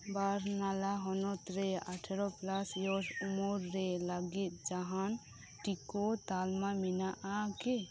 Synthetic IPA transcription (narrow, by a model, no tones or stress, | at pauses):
baɾnalaɦɔnɔt̪ɾɛaʈʰeɾɔplasjɔsumuɾːɛlaɡit̪̚d͡ʒaɦan | ʈikot̪almaminaʔake